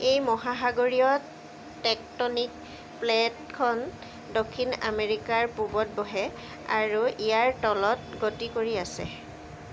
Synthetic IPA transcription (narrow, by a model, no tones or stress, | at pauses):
ejmɔɦaɦaɡoɹiɔ | tɛk̚tɔnik | plɛtkʰɔn | dokʰːina̰meɹikaɹpubɔt̚bɔɦɛ | a̰ɹuʔijaɹtɔlɔtɡotikoɹiasɛ̰